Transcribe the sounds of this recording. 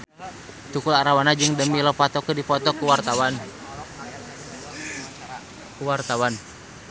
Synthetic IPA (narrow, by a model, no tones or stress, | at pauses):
t̪ukulaɾawanad͡ʒɨŋdəmilɔpat̪ɔkədipɔt̪ɔkuwart̪awan | kuwart̪awan